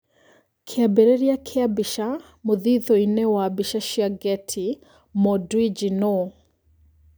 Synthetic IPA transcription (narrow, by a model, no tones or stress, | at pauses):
kʰeabɛɾɛɾiakʰɛabiʃa | mʊðiðɔinɛwabiʃaʃiaɡɛtʰi | mɔdwid͡ʒinɔ